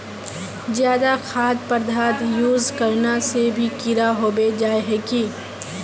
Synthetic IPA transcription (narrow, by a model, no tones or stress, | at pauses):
zjaːd̪axʰaːd̪pəɾd̪ʱaːt̪juːzkɐɾnasebʱikɪɾaɦoːbed͡ʒaːeɦɛki